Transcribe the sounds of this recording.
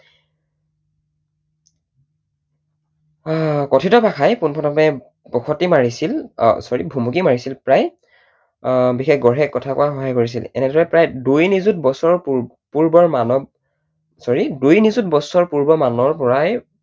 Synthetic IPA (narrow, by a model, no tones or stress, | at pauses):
kɔtʰitɔpakʰajpunpʰɔtmɛ | pɔkʰɔtimaɹisilsɔɹibʱumukimaɹisilpɹaj | bixekɡɔɹɦɛkːɔtʰakʊ̰axɔɦajkoɹis̬ḭlɛ̰nɛdɔɹɛpɹajdujnizut̚bɔsɔɹpu | puɹbɔɹmanɔb̚ | sɔɹidujnizut̚bɔsɔɹpuɹbɔmanɔɹpɔɹaj